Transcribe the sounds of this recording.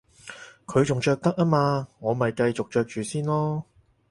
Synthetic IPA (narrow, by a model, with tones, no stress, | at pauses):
kʰɵ˨˧ɥt͡sʊ˨ŋt͡ʃœː˧k̚t̪ɐ˥k̚aː˥maː˧ŋɔː˨˧mɐ˨jkɐ˧jt͡sʊ˨k̚t͡ʃœː˧k̚t͡ʃyː˨siː˥nlɔː˥